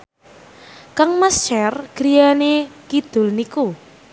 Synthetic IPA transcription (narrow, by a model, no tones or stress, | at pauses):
kaŋmast͡ʃɛrɡ̥ɾijanekid̪̥ʊ̤lniku